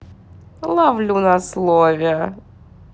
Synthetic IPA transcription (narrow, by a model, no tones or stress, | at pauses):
lˠavlʲunɐslˠovʲɪjə